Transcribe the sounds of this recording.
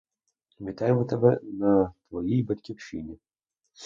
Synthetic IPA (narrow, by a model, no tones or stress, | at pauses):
mʲit̪ajɛmɔt̪ɐbɛnɐt̪vɔjijbɐtʲkʲiwʂinʲi